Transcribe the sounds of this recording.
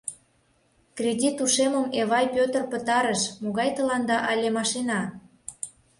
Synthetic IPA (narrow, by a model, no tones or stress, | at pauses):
krʲedʲit̪uʃeməmeβɑjpʲøt̪ərpət̪ɑɾəʃmoɣɑjt̪ə̆lɑnd̪ɑʔɑlʲemɑʃenɑ